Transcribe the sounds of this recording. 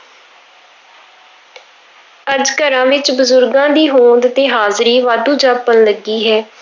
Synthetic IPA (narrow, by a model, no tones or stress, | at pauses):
əd͡ʒkəɾãːʋɪt͡ʃbəzʊɾɡãːd̪iːɦoːnd̪t̪eːɦaːzɾiːʋaːd̪ũːd͡ʒaːpənləɡiːɦɛː